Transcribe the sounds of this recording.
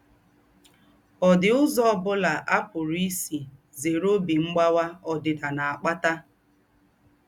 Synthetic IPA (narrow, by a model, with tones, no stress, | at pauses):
ɔ˨dɪ˨ʊ˦zɔ˦ɔ˦bʊ˦la˨ʔa˦pʊ˨ɾi˦si˨ | ze˨ɾo˦bi˨ŋ͡m̩˦ɡ͡ba˦wa˦ɔ˨dɪ˨da˨na˨a˨k͡pa˦ta˦